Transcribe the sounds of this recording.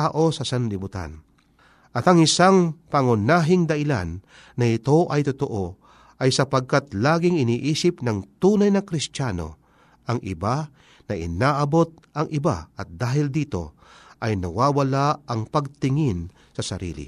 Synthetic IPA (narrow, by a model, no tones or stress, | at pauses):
aʔo̞sɐsɐnlɪbʊt̪a̰n | ʔɐt̪ɐŋɪsaŋpɐŋʊnaːɦɪŋd̪ɐʔɪla̰nː | ɐɪt̪o̞ʔɐjt̪ʊt̪oʔo | ʔɐjsɐpɐɡ̚kat̪laːɡɪŋɪniːʔiːsɪpnɐŋt̪uːnajnɐkɾɪst̪jaːno̞̰ | ʔɐŋʔɪba | nɐʔɪ̰naːʔɐbo̞t̪̚ɐŋʔɪba̰ʔɐt̪̚d̪aːɦɪld̪iːt̪o̞̰ | ʔɐjnɐwaːwɐlaɐŋpɐɡ̚t̪ɪŋɪn | sɐsɐɾḭːlɪ̰